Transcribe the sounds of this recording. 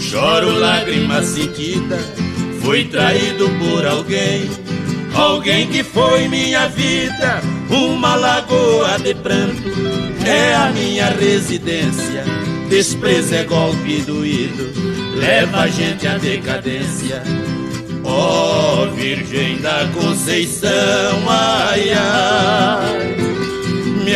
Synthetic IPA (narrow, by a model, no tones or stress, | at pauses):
ʃɔɾʊlaɡɾimɐsẽnt͡ʃid̪ɐfojt̪ɾaid̪ʊpoɾawɡẽj̃ | awɡẽj̃kɪfojmĩɲɐvid̪ɐũmɐlaɡoɐd̪ɪpɾɐ̃t̪ʊɛɐmĩɲɐʁezid̪ẽsiɐd̪espɾezɛɡɔwpid̪ʊid̪ʊ | lɛvaʒẽnt̪ɪad̪ekad̪ẽsjɐ | ɔ | viɾʒẽj̃d̪ɐkõsejsɐw̃aja | m